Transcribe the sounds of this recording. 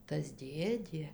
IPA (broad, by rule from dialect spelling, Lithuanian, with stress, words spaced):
tɐs ˈdʲeːdʲeː